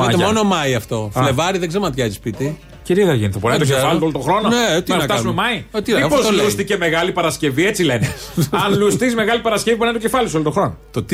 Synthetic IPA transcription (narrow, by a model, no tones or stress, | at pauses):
ɐemo̞nomɐiɐft̪o̞fle̞vɐɾiðeɡzeɾonɐt̪çɐzispit̪i | ciɾiɐɣɐʝinθopoenet̪ozefɐliolot̪oxɾononeot̪iɐnɐkfɐsumemɐiot̪imipozolust̪iceme̞ɣɐlipɐɾɐsce̞viet͡sile̞ne | ɐnlust̪izme̞ɣɐlipɐɾɐscevipuɾnent̪ocefɐlisolot̪oxɾo̞not̪ot̪